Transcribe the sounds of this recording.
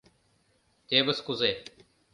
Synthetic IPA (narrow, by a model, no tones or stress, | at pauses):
eːbəskʊzeː